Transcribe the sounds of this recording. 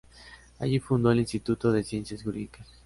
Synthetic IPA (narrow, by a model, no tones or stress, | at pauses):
a̰ʝifund̪oelinst̪it̪ut̪oðesjensjasxuɾḭðikas